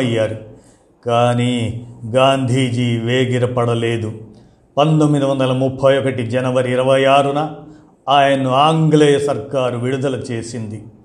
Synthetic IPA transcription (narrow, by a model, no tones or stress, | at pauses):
ɐjːaːɾu | kaːniːɡaːnd̪ʱiːd͡ʒiʋeːɡiɾɐpɐɽɐle̞ːd̪u | pɐnt̪omːid̪iʋɐnd̪ɐlɐmupʰːɐjɔkɐʈid͡ʒɐnɐʋɐɾiːɾɐʋɐjaːɾunɐ | aːjɐnuaːŋɡlɛːjɐsɐɾkaːɾuʋiɽud̪ɐlɐt͡ʃe̞ːsind̪i